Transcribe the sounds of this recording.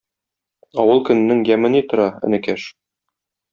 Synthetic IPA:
ɒwɤlˠkɵ̆nɘ̆nːɘŋjæmɘ̆nit̪ŏɾɑɘ̰̆nɘ̆kæʃ

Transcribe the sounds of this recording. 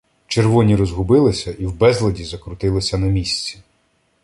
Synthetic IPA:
t͡ʃerʋɔnʲiɾɔzɦʊbɪlˠɪsʲɐʔiwbɛzlˠɐdʲizɐkɾʊt̪ɪlˠɪsʲɐnɐmʲisʲt͡sʲi̥

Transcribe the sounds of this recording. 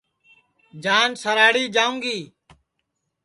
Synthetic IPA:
d͡ʒaːnsəɾaːɽiːd͡ʒaːũːŋɡiː

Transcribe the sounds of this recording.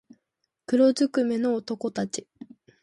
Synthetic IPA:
kɯ̟ɾo̞zɨkɯ̟me̞no̞ːt̪o̞ko̞t̪at͡ɕi

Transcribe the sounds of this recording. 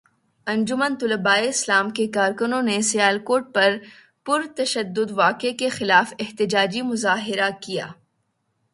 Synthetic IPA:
ɐ̃nd͡ʒʊmənt̪ʊləbaːeɪslaːmkekaːɾkʊnõnesijaːlkoːɾʈ̚pɐɾ | pʊɾt̪ɐʃəd̪ːʊd̪ʋaːkekexɪlaːfɪht̪ɪd͡ʒaːd͡ʒimʊzaːɦɪɾakija̰ː

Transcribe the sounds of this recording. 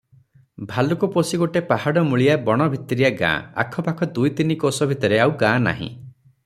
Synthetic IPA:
bʱalukuposiɡoʈepahaɽɔmuɭijabɔɽ̃ɔbʱit̪ːiɾijaɡã̰a̰kʰɔpakʰɔd̪ujt̪inikosɔbʱit̪ɔɾeawɡãna̰ɦḭ̃

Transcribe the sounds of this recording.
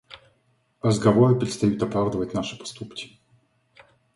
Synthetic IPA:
rəzɡɐvoɾɨpɾʲɪt̪st̪ɐjut̪ɐpɾavd̪əvətʲnaʂɨ̥pɐ̥st̪upkʲɪ̥

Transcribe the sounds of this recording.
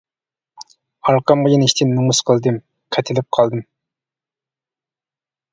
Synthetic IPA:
ɑɾqɑmʁəjiniʃt̪ʰɪnːumusqʰəlˠd̪ɨm | qʰɛt̪ʰɪlɪp̚qʰɑlˠd̪ɨm

